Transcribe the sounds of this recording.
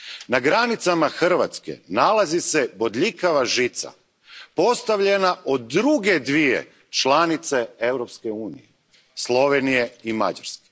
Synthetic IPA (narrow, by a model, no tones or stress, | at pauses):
naɡɾanit̪samaxr̩ʋa̰t̪ske̞̰nalˠazise̞bo̞d̪ʎikaʋaʒit̪sa̰ | po̞st̪aʋʎe̞naʔod̪ɾuɡe̞d̪ʋije̞̰ | t͡ʃlˠanit̪se̞e̞wɾopske̞uːnije | slˠo̞ʋenije̞ima̰d͡ʑa̰ɾske̥